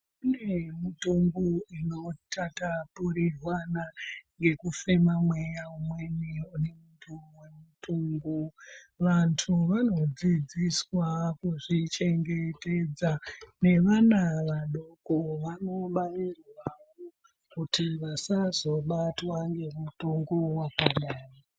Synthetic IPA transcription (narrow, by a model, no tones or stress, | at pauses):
une̞mutuŋɡuino̞tatapuɾirwanaŋɡe̞kufe̞mamwe̞jaumwe̞niunemutuwemutuŋɡuʋantʰuʋano̞d͡zid͡ziswakuʐit͡ʃe̞ŋɡe̞te̞d͡zane̞ʋanaʋaɗokoʋano̞ɓanirwaʋo | kutiʋasazo̞ɓatwaŋɡe̞mutoŋɡowakaɗaːro